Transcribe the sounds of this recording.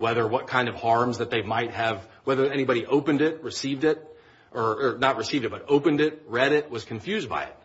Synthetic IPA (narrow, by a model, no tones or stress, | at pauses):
wɛðə˞wʌt̚kʰãɪ̃ndʌv̥hɑɹmzðɨt̪̚ðeɪmaɪt̚hɨvwɛðə˞ɛnibɑɾiʔoʊpɨ̃ndɪt̚ɹɨsivdɪt̚ | ʔə˞ənət̚ɹɨsivdɨt̚b̥ʌɾoʊpɨ̃ndɪt̚ɹɛɾɪt̚wʌz̥kʰɨ̃ɱfjʉzba̰ɪɨ̰t̚